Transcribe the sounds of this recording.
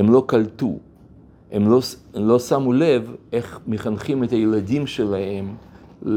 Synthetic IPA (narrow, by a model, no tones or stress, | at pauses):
emlo̞kalt̪ṵ | e̞molo̞samule̞vʔe̞χmeχanχimet̪ajelad̪imʃe̞lahe̞m | l